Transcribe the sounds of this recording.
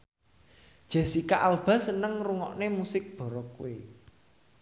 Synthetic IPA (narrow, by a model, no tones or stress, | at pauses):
d̥ʒ̥a̤sikaʔalb̥a̤sənəŋruŋɔ̰ʔnemusɪk̚b̥ɔ̤ɾɔkuwe